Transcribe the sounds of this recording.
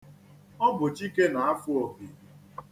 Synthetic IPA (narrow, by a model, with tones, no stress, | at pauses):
ɔ˦bʊ˨t͡ʃi˦ke˦na˨a˦fʊ˦o˨bi˨